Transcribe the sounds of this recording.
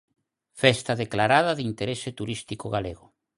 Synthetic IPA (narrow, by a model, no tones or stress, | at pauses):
fɛst̪aðeklaɾað̞aðint̪eɾesɪt̪uɾist̪ikoɣaleɣʊ